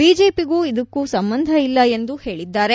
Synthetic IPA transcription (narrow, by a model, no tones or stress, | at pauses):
biːd͡ʒe̞ːpiɡuːid̪ɐkːuːsɐmbɐnd̪ʱɐilːɐe̞nd̪uhe̞ːɭid̪ːaːɾe